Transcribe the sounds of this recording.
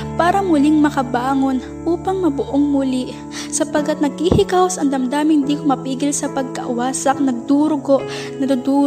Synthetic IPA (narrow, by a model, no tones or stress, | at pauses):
paːɾɐmʊliŋmɐkɐbaːŋo̞n | ʔuːpɐŋmɐbʊʔoŋmʊli | sɐpɐɡkːɐt̪̚nɐɡ̚hihɪkawsɐŋd̪ɐmd̪aːmɪnd̪iːkomɐpiːɡɪlsɐpɐɡ̚kɐ̰ʔʊwaːsɐk̚nɐɡ̚d̪uːɾʊɡoʔ | nɐd̪ʊd̪uːɾ